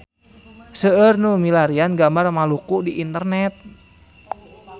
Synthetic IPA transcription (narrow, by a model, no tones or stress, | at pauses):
səərnumilaɾianɡambarmalukudiʔint̪ərnɛt̪̚